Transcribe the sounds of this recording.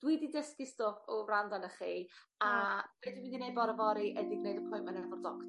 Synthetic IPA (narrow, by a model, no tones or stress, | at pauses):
d̥wididəskistɔpɔrandanəχiːabedwmindinejdbɔɾəvɔɾiʔədɪɡnejdəpʰʊjmanɛrvɔrdɔkt